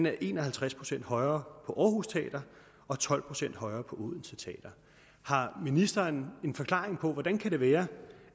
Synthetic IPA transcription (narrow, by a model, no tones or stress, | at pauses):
næɐʔe̝ːnɒ̽hælt͡sʰʁaspʰʁo̝sen̰d̥hɒ̽ɪɐːpʰɒ̽ʔɒːhuːst͡sʰɛ̰ːd̥ɐ | ɒ̽t͡sʰɒ̽l̰pʰʁo̝sen̰d̥hɒ̽ɪɐːpʰɒ̽ʔuːðˠn̩sət͡sʰɛ̰ːd̥ɐ | hɑ̈minisd̥ɐːne̝nfɒ̽kʰl̥ɑ̰̈ːʁeŋpʰɒ̽ʋɒd̥ænkʰæɾ̥e̝ʋæːɐ